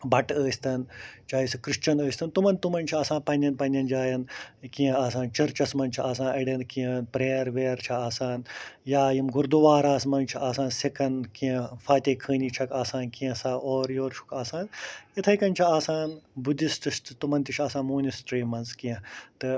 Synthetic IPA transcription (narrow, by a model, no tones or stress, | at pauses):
bɐʈəːsʲt̪ɐnt͡ʃaːisɨkɾɨʃt͡ʃɐnəːsʲt̪ɐnt̪umɐnt̪umɐnʲt͡ʃʰiaːsãːnpɐnʲɐnpɐnʲɐnd͡ʒaːjɐnkiẽaːsãːnt͡ʃɐɾt͡ʃɐsmɐnt͡ʃʰiaːsãːnʔɐɽɐnkijɐnpɾeːɾʋeːɾt͡ʃʰɐaːsaːnjaːjimɡuɾd̪uʋaːɾaːsmɐnt͡ʃʰiʔaːsãːnsekɐnkiɐ̃faːt̪ʲeːkʰəːnʲit͡ʃʰɐkaːsãːnkiɐ̃saːoːɾjoːɾt͡ʃʰu̥kaːsaːnit̪ʰɐjkɐnʲt͡ʃʰiaːsaːnbud̪ist̪ɨst̪ɨt̪umɐnt̪it͡ʃʰaːsãːnmuːnisʈɾiːmɐnzkijɐ̃t̪ɨ